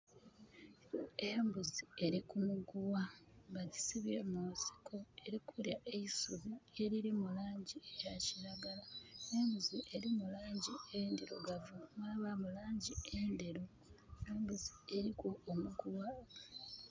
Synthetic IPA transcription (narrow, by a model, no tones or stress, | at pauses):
embuzie̞ɾikumuɡuwaβaɟi̥siβjeːmuːsi̥kʰo̞e̞ɾikʰuljaʔeisuβie̞ɾiɾimulaːɲɟiejaciɾaɡalaembuziʔe̞ɾimulaːɲɟiendeɾo̰ɡavumaβamulaːɲɟiendeɾo | embuzi̥e̞ɾikoːmuɡuwa